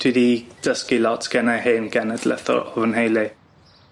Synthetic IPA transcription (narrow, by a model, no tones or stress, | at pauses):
tʰwidid̥əskilɔtʰɡ̥ɛnaheːnɡ̥ɛnədlɛ̰θɔ̰ɾɔvənhejlɪ